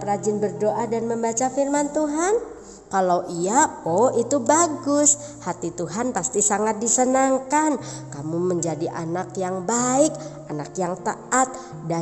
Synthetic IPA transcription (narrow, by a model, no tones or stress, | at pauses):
rad͡ʒɪnbərdoʔadanməmbat͡ʃafirmant̪uɦan | kalawʔiaoit̪ubaɡʊs | hat̪it̪uɦanpast̪isaŋat̪̚disənaŋkankamuməɲd͡ʒadiʔa̰nakjaŋbaɪk | anakjaŋt̪aat̪̚ | da